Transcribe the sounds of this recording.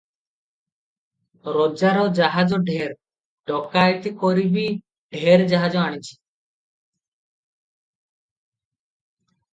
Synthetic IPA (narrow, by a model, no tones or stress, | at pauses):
ɾod͡ʒaɾɔd͡ʒaɦad͡ʒɔɖʱeɾ | ɖɔkajʈ̪ikoɾibi | ɖʱeɾd͡ʒaɦad͡ʒɔaɽ̃it͡ʃʰi̥